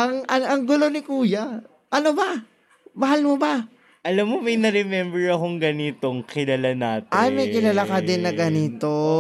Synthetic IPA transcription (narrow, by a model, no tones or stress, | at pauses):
ʔɐŋʔɐʔɐŋɡʊlo̞nɪkuːja | ʔɐnobɐ | bɐɦalmoba | ʔɐlamːomɐjnɛɾɛmɛmbɛɹɐkoŋɡɐnɪt̪oŋkɪlalanaːt̪ɪʔajmɐjkɪlalakɐd̪ɪnːɐɡɐnɪt̪o